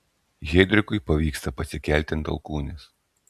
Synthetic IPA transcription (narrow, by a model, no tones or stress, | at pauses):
ɣʲɛd̪ʲɾʲɪkʊɪpɐʋʲiːkst̪ɐpɐsʲɪkʲɛlʲt̪ʲɪnt̪ɐ̰lˠkuːnʲes